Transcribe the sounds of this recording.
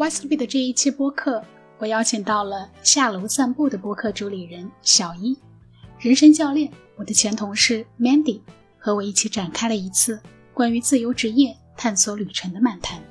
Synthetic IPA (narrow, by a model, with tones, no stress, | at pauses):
wa˥s̩˥pi˥˩d̪ə˩ʈ͡ʂɤ˥˧i˥˩t͡ɕʰi˥˧pwɔ˥kʰɤ˥˩ | wɔ˨˩jɑ˥ʊt͡ɕʰi˨˩ŋt̪ɑ˥˩ʊlə˩ɕja˥˩lo˧˥ʊsa˥˧npu˥˩d̪ə˩pwɔ˥kʰɤ˥˩ʈ͡ʂu˧˥li˨˩ɻə˧˥nɕjɑ˨˩ʊi˥ | ɻə˧˥nʂə˥ŋt͡ɕjɑ˥˧ʊljɛ˥˩nwɔ˨˩d̪ə˦t͡ɕʰjɛ˧˥nt̪ʰʊ˧˥ŋʂɻ̩˥˩mɛ˥nt̪i˨˩ | xɤ˧˥wɔ˨˩i˥˩t͡ɕʰi˧˥ʈ͡ʂa˨˩nkʰa˥ɪlə˨i˧˥t͡sʰɹ̩˥˩ | kwa˥ny˧˥t͡sɹ̩˥˩jo˧˥ʊʈ͡ʂɻ̩˧˥jɛ˥˧ | t̪ʰa˥˩nswɔ˧˥ly˨˩ʈ͡ʂʰə˧˥ŋd̪ə˧ma˥˩nt̪ʰa˧˥n